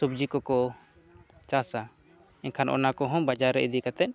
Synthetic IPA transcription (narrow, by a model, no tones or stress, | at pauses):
ub̚d͡ʒikɔkɔ | t͡ʃasa | inkʰanʔɔ̰nakɔɦɔ̃bad͡ʒaɾːɛʔid̪ikat̪ɛʔ̚